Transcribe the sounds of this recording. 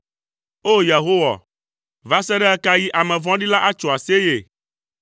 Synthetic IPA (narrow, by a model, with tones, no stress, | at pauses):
o˦ja˨ɦo˦wa̰˨ | va˦sɛ˦ɖɛ˦a˦ka˦ji˦ʔa˨mɛ̃˨vɔ̃˦ɖi˦la˦ʔa˦t͡ʃo˨a˨se˦je˨